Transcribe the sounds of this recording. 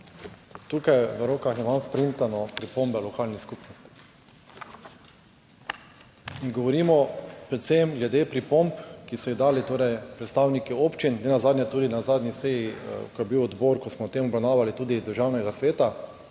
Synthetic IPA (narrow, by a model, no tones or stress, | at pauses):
t̪ukajʋəɾoːkaxjɛmanspɾint̪anɔpɾipombɛlɔkaːlniskupnɔst̪i̥ | inɡɔʋɔɾiːmɔpɾɛt̪semɡlɛd̪epɾipɔmpkisɔjid̪aːlit̪oːɾɛjpɾɛt̪st̪aːwnikioːpt͡ʃinnɛnazaːd̪njɛt̪uːd̪inazaːd̪nʲiseːjikɔjɛbiwɔd̪boɾkɔsmɔt̪emɔbɾawnaːʋalit̪uːd̪id̪əɾʒawnɛɡasʋeːt̪a